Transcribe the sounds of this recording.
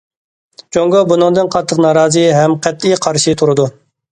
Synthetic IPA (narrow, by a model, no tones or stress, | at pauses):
d͡ʒoŋɡɑbunɨ̃ŋd̪ɨnqʰɑt̪ʰːəqnɑːɾɑːzɨɦɛmqʰɛt̪lijqʰɑɾʃit̪ʰuɾɨd̪u